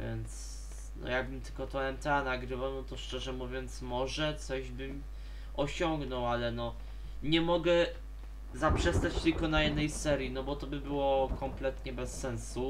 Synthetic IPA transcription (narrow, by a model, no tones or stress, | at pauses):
jɛ̰nt̪s | nɔ̰jaɡ̚bɘmt̪ɘ̥lkɔt̪ɔɛmt̪ɛanaɡɾɘvawnɔt̪ɔʂt͡ʂɛʐɛmuvʲjɔnt̪smɔʐɛt̪sɔʑbɘm | ɔɕɔŋɡnɔwalɛnɔ | ɲɛmɔɡɛ | zapʂɛst̪at͡ɕt̪ɘlkɔnajɛd̪nɛjsɛɾʲjinɔbɔt̪ɔbɘbɘwɔkʰɔmplɛt̪ɲɛbɛsːɛnsu